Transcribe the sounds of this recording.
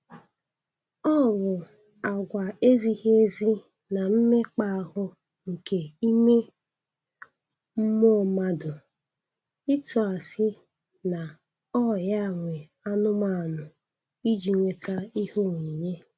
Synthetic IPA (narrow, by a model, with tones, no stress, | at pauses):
ɔ˦˨βʊ˨ | a˨ɡʷa˨e˦zi˦he˦e˦zi˦ | na˨m̩˦me˦k͡pa˦a˨ɦʊ˦ | ŋ̩˨ke˨i˦me˦ | m̩˦mo˦˨˦ma˦dʊ˨ | i˦tʊ˨a˨sɪ˦ | na˨ | ɔ˦ja˦˨ŋʷe˨ | a˦nʊ˦ma˦˨nʊ˨ | i˦d͡ʒi˨ŋʷe˨ta˦i˦ho˦ŋʷi˨ɲe˦